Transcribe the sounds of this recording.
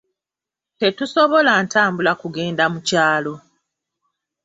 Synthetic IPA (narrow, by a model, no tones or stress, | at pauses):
te̞tuso̞βo̞laːntaːmbulakuɡe̞ːndamucaːlo̞